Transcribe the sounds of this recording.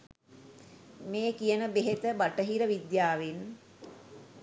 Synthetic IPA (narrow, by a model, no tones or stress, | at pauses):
meːkijənəbeɦet̪əbaʈəɦiɾəʋid̪jaːʋin